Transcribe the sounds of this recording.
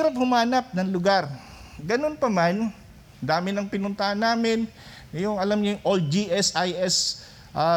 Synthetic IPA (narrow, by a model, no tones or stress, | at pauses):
ɾɐp̚hʊmaːnɐp̚nɐŋlʊɡaɾ | ɡɐno̞npɐman | d̪aːmɪnɐŋpɪnʊnt̪ɐhanːaːmɪn | ɐjʊŋɐlamɲoŋʔold͡ʒiʔɛsʔajʔɛs | ʔa